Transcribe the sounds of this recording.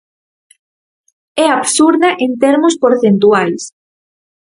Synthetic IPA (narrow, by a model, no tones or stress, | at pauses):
ɛaβsuɾðaʔent̪eɾmʊspoɾθent̪uals